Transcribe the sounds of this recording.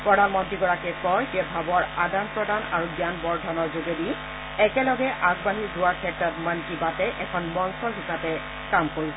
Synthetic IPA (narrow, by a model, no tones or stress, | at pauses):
pɹɔdanmɔntɹiɡɔɹakɛkɔjd͡ʒɛbʱabɔɹadanpɹɔdana̰ɹuɡjanbɔɹdʱɔnɔɹzozodi | ɛkɛlɔɡɛʔaɡbaɦiɹzʊwaɹkʰɛtɔtmankibatɛʔɛkʰɔnmɔnsɔɹɦisapɛ | kamkoɹisɔ